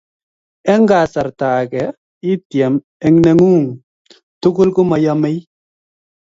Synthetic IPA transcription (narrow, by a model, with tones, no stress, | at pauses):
ɛ˦ŋɡa˨sa˨ɾtaː˨kɛ˨ | i˦tjɛ˨m | ɛ˨ŋnɛ˦ŋu˦˨ŋ | tu˦kʊ˦lku˦ma˨ja˦mɛ˦j